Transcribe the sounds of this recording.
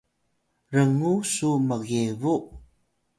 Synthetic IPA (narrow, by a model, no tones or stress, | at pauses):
ɾəŋusuməɣevuʔ